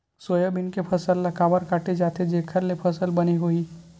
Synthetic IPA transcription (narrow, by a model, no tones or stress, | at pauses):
soːjəbɪnkepʰɐsəlːɐkaːʋəɾkaːʈed͡ʒaːt̪ed͡ʒeːkʰəɾlepʰɐsəlbɐniɦuiː